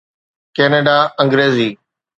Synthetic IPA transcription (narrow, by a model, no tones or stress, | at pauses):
keːneːɖaːə̃ŋɡɾeːziː